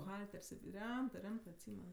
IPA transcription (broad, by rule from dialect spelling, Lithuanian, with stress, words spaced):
bʊˈɣɐlʲtʲɛrʲsʲ ˈrʲɛmtɜ ˈrʲɛmtɜ ɐtʲˈsʲiːmʲɛn